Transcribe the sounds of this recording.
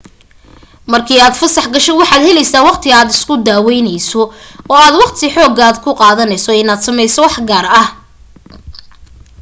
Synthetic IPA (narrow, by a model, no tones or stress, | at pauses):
mɐrkʰiːaːd̪fɐsɑħɡɐʃɛwɑħɑːd̪hɛlɛjsaːwɑqt̪ʰɪaːd̪ɪskʰʊd̪aːwɛjnɛjsɔɔːaːd̪wɑqt̪ʰɪħɔːɡaːd̪kʰʊqɑːðɐnɛjsɔɪnaːd̪sɐmɛjsɔwɑħɡaːrɐh